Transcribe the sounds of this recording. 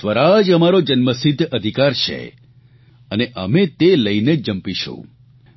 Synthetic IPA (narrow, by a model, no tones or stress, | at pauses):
ʋəɾad͡ʒəmaɾod͡ʒənməsid̪ʱːəd̪ʱikaɾt͡ʃʰḛ | əneʔəmet̪eləined͡ʒəmpiʃṵ̃